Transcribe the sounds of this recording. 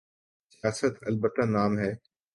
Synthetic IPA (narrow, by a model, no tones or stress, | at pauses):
sɪjaːsət̪ɐlbəʈãnaːmɦɛː